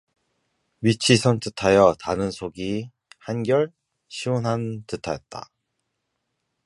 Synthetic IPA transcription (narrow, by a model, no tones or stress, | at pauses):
ɥit͡ɕʰisʰʌnt͈ɯtʰajʌtanɯnsʰoɡi | hanɡjʌɭ | ɕʰiwonɦantɯtʰajʌt̚t͈a̰